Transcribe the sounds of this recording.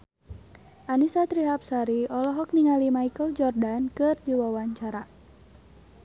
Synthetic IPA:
ʔanisat̪ɾiɦap̚saɾiɔlɔɦɔk̚niŋalimaikəld͡ʒɔrdankɨrdiwawaɲt͡ʃaɾa

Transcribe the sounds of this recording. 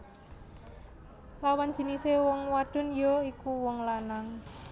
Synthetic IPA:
lawan̥d͡ʒ̥i̤nisewɔŋwad̪̥ʊ̤njoikuwɔŋlanaŋ

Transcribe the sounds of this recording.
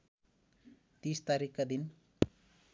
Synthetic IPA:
t̪ist̪aɾikkːad̪in

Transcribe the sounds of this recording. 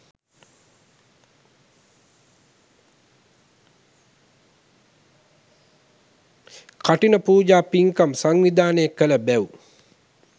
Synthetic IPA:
kaʈinəpuːd͡ʒaːpiŋkamsaŋʋid̪aːnəjekːələbæu

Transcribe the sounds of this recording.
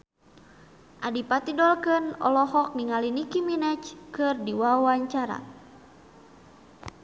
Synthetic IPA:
ʔadipat̪idɔlkɨnɔ̰lɔɦɔk̚niŋalinikiminɛt͡ʃkɨrdiwawaɲt͡ʃaɾa̰

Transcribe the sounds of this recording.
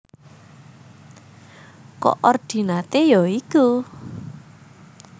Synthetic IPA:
kɔ̰ʔɔrd̪̥i̤nat̪ejɔiku

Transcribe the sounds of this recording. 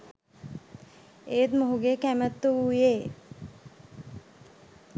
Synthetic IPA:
eːt̪moɦuɡekæmət̪ːuuje

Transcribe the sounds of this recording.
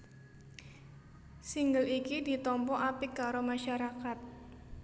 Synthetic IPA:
siŋɡəlikidit̪ɔmpɔʔapikaɾomaʃaɾakat̪̚

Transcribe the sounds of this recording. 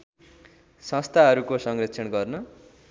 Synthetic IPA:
sʌ̃st̪ʰaɦʌɾukosʌŋrʌkt͡sʰʌɳɡʌrnʌ

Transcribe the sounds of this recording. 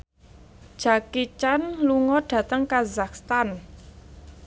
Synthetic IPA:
d̥ʒ̥a̤kit͡ʃanluŋɔɖ̥ä̤t̪əŋkazakst̪an

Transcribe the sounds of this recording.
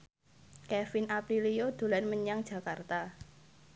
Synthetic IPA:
kɛfinapɾiliod̪̥o̤lanməɲaŋd̥ʒ̥a̤kart̪a

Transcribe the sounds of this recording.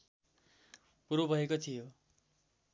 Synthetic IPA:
puɾobʱʌekot̪ʰijo

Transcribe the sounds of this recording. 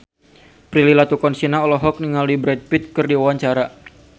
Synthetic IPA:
pɾililat̪ukɔnsinaɔlɔɦɔk̚niŋaldibɾɛd̚pit̪̚kərdiwawaɲt͡ʃaɾa

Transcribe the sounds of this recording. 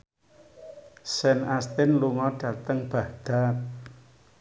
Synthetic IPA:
sɛnast̪ɪnluŋɔɖ̥ä̤t̪əŋb̥a̤hd̪̥a̤t̪̚

